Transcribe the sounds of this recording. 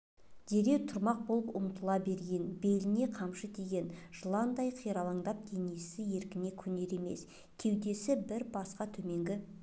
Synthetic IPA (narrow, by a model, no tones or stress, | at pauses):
d̪̥e̞ɾe̞wt̪ʰʊɾmɑq̚bolˠəpʊmt̪əlˠɑbe̞ɾɡʲe̞nbe̞lɪne̞qʰɑmʃət̪ʰe̞ɡʲe̞nʒ̥əlˠɑnd̪ɑjqʰijɾɑlˠɑɴd̪ɑp̚d̪̥e̞nesɪje̞ɾkʲɪne̞kʲʰɵne̞ɾe̞me̞̰s | tʲʰe̞wd̪e̞sɪbɪɾbɑsqɑt̪ʰɵme̞ŋɡʲɪ